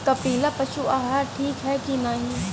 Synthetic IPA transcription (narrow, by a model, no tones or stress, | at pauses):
kɐpiːlapɐʃuaːɦaɾʈʰiːkɦɛkinaːɦĩ